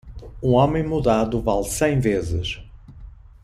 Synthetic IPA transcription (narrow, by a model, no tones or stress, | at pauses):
ũɔmẽj̃muðaðʊvalˠsẽj̃vezɪ̰ʃ